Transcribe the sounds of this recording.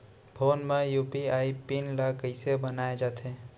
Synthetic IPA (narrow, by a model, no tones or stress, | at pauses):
pʰoːnmẽjuːpiaːipinlakəɪsebənaːed͡ʒaːt̪e